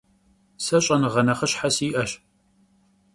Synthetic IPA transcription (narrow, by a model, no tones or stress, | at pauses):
sɐɕʼɐnʁɐnɐχəɕħasiːʔɐɕ